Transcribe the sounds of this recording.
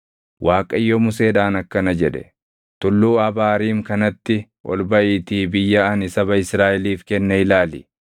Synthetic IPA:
wʔaːkʼɐjːomʊseːᶑaːnɐkːɐnɐd͡ʒɛᶑɛ̥̰ | t̪ʊlːuːɐbaːɾiːŋkɐnɐt̪ːɪ | ʔɔ̰lbɐʔiːt̪iːbɪjːɐɐnɪsɐbɐɪsɾaːʔɛliːfkɛnːɐɪlaːlɪ̰

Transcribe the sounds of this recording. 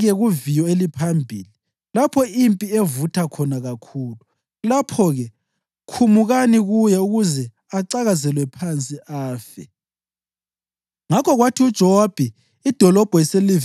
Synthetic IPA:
ɣɛɣuvijɔelipʰambʱiːli | lapʰɔimpʼievutʰakʰɔnaɣakʰuːlu | lapʰɔɣɛ | kʰumuɣaniɣujɛuɣuzɛ | aǀaɣazɛlwɛpʰant͡sʼiʔaːfɛ̰ | ŋakʰɔɣwatʰiud̥ʒ̥ʱɔwab̥ʱɛ | id̥ʱɔlɔb̥ʱɔiseli

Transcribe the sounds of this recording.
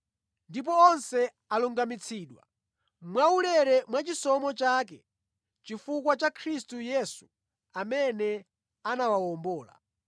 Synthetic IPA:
ndip̬ɔɔnsɛ | aluŋɡamit͡sʰiːɗwa̰ | mwaulɛɾɛmwat͡ʃisɔmɔt͡ʃaːk̬ɛ | t͡ʃifukwat͡ʃakʰɾistujɛsu̥ | amɛnɛ | anawawɔmbɔːla̰

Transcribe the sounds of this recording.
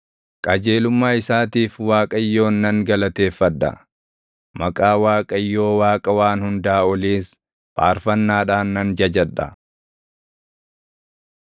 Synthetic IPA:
kʼɐd͡ʒe̞ːlʊmːaːɪsaːt̪iːfwaːkʼɐjːo̞ːnːɐŋɡɐlɐt̪e̞ːfːɐᶑːɐ̰ | mɐkʼaːwaːkʼɐjːo̞ːwaːkʼɐwaːnhʊnd̪aːɔliːs | pʼa̰ːɾfɐnːaːᶑaːnːɐnd͡ʒɐd͡ʒɐᶑɐ̰

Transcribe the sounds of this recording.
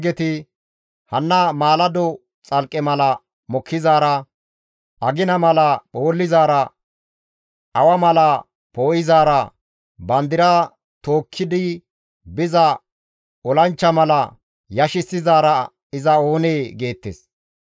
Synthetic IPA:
ɡɛt̪ɪ | hɐnːɐmaːlɐd̪ɔ | t͡sʼɐlkʼːɛmɐlɐ | mɔkʰːɪzaːɾɐ | ʔɐɡɪnɐmɐlɐɓo̞ːlːɪzaːɾɐ | ɐwɐmɐlɐ | poːʔɪzaːɾɐ | bɐnd̪ɪɾa | t̪o̞ːkʰːɪd̪ɪ | bɪzɐ | ɔlɐnt͡ʃːɐmɐlɐ | jɐʃɪsːɪzaːɾɐ | ɪzɐo̞ːneːɡe̞ːt̪ːḛs

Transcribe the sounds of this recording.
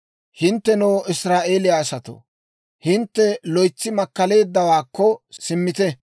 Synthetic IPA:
hɪnt̪ːɛnɔːʔɪsɾaːʔe̞ːlɪjaːsɐt̪o̰ | hɪnt̪ːɛlɔjt͡sːɪmɐkːɐle̞ːd̪ːɐwaːkːɔsɪmːɪt̪ɛ

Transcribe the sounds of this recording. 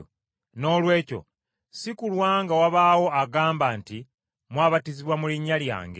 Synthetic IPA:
no̞ːlwe̞ːco̞̰ | sikulwaːŋɡawaβaːwo̞aɡaːmbaːnti | mwaːβatiziβwamuliɲːalja̰ːŋɡe

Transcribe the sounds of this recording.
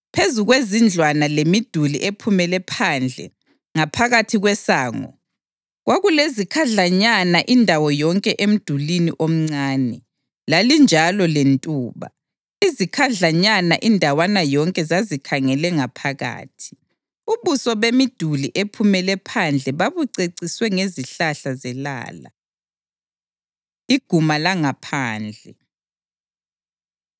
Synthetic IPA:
pʰezuɣwezind͡ɮʱwanalemid̥ʱulḭʔepʰumɛlɛpʰand͡ɮʱɛ̰ | ŋapʰaɣatʰiɣwɛsaːŋɔ̰ | ɣwaɣulezikʰaɮaɲanaʔindʱawɔjɔŋkʼɛʔem̩d̥ʱulinḭʔom̩ŋ͡ǀaːnɛ | lalind͡ʒʱalɔlentʼuːβa̰ | izikʰaɮaɲanaʔindʱawanajɔŋkʼɛzazikʰaŋɛlɛŋapʰaɣa̰ːtʰi̥ | uβusɔβemid̥ʱuliʔepʰumɛlɛpʰand͡ɮʱɛβaβuǀeǀiswɛŋeziɬaɬazɛla̰ːla̰ | iɡ̥ʱumalaŋapʰaːnd͡ɮʱɛ

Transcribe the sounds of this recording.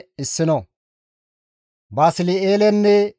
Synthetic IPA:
ɪsːɪnɔ | baːsɪlɪeːlɛnːɛ

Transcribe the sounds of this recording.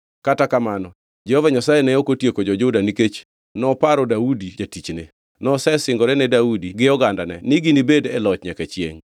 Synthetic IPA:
katakamanɔ | d͡ʒɛhovaɲasajenɛokotjekod͡ʒɔd͡ʒʊdaniket͡ʃ | nɔpaɾɔdaudid͡ʒatit͡ʃnḛ | nɔsɛsɪŋɡɔɾɛnɛdaudiɡɪjɔɡandanɛ̰nɪɡinibedɛlɔt͡ʃɲɛkɛt͡ʃjḛŋ

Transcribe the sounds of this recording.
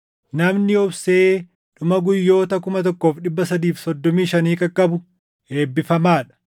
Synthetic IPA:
nɐmnɪʊbse̞ː | ᶑʊmɐɡʊjːo̞ːt̪ɐkʊmɐt̪̬ɔkːoːfɗɪbːɐsɐd̪iːfsɔd̪ːɔmiːʃɐniːkʼɐkʼːɐbʊ | he̞ːbːɪfɐmaːᶑɐ̥

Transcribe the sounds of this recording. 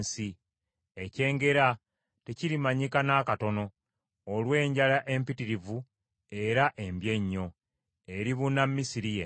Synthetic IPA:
si | ece̞ːŋɡe̞ɾa | te̞ciɾimaɲikanakato̞no̞ː | lwe̞ːɲɟalaʔe̞mpitiɾivu | e̞ɾaʔe̞mbje̞ɲːo̞ | e̞ɾiβunammːisiɾije

